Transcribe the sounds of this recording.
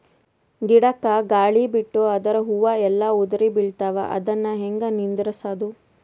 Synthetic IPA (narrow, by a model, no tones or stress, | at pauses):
ɡiɽɐkːɐɡaːɭibiʈːuɐd̪ɐɾɐɦuʋaɛlːɐud̪ɐɾibiɭt̪aːʋɐ̰ʔɐ̰d̪ɐnːɐɦeŋɡɐnind̪ɾɐsad̪u